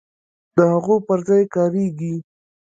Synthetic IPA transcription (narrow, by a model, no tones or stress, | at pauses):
d̪əhaɣopəɾzɑjkɑɾeɡi